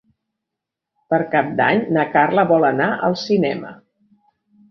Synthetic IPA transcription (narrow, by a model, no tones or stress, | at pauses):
pəɾkap̚d̪a̰ɲnəkarləβɔlənaʔə̰lˠsinɛmə̰